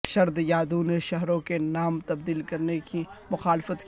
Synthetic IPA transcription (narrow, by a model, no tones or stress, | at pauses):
ʃɐɾd̪jaːd̪uneʃɐɦɾõkenaːmt̪ɐbd̪iːlkɐɾnekimʊxaːlɪfət̪k